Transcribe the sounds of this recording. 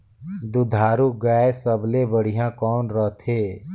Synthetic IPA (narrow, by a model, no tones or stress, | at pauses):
d̪ʊd̪ʱaːɾuɡaːesəblebəɽ̤ijãkɔːnɾəɦt̪ʰɦeː